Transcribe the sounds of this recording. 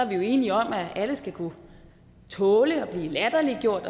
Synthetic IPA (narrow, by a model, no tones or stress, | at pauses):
æɐʋijo̝e̝ːniɒ̽mæʔæləsɡ̥ækʰu | t͡sʰɔːləɒ̽b̥liːlæd̥ɐliɡ̥jo̝ɐ̰d̥ɒ̽